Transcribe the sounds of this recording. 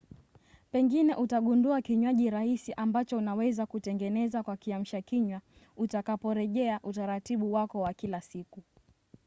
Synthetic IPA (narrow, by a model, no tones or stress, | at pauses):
pɛŋɡinɛʔutaɠunduakiɲwaʄiɾahisiʔambat͡ʃɔunawɛzakutɛŋɡɛnɛzakwakiam̩ʃakiɲwa | utakapɔɾɛʄɛaʔutaɾatiɓuwakɔwakilasiku